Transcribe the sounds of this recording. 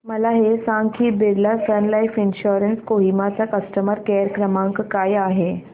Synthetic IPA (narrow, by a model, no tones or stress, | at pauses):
məlaɦesãŋkʰiːbeɾlasənlajfinɕuɾənskoɦimat͡sakəsʈəməɾkeɾkɾəmãŋkkajaɦe